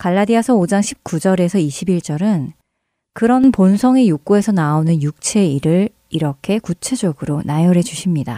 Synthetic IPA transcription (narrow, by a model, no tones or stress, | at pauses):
kaɭːadiasʰʌod͡ʑaŋɕʰi̥p̚k͈ud͡ʑʌɾe̞sʰʌiɕʰibiɭt͡ɕ͈ʌɾɯn | kɯɾʌnponsʰʌŋejuk͈oe̞sʰʌnaonɯnjuk̚t͡ɕʰe̞iɾɯɭ | iɾʌkʰe̞kut͡ɕʰe̞d͡ʑʌɡɯɾonajʌɾe̞d͡ʑuɕʰimɲida